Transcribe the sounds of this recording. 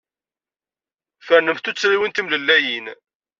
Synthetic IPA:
fəɾnəmθt̪ut͡sːɾiwint̪imləlːæjin

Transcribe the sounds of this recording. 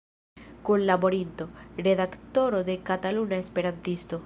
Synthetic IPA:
konlaβoɾint̪oreðakt̪oɾoðekat̪alunaespeɾant̪ist̪o

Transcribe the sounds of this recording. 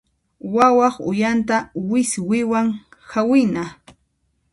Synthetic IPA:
wawɑχʊ̰jant̪awɪswɪwaŋhawɪna

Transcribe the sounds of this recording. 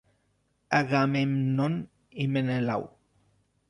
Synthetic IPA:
aɣamemnon | imenela̰w

